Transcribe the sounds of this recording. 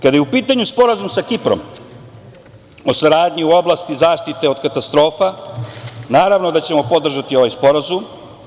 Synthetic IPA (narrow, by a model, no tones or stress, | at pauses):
kad̪ajeupiːt̪aɲuspo̞ɾazumsakipɾo̰m | o̞saɾaːd̪ɲiuo̞blˠast̪izaːʃt̪it̪e̞o̞d̪kat̪ast̪ɾo̞ːfa | naːɾaʋno̞d̪at͡ɕe̞mo̞po̞d̪r̩ʒat̪io̞ʋajspo̞ɾazum